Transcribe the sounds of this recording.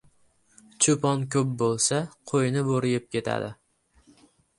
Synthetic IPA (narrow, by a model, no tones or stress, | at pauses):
t͡ʃʰʊpɒnkʲʰɵp̚bolˠsaqʰojnɪboɾɪjɪp̚kʲe̞t̪ʰa̰d̪ɪ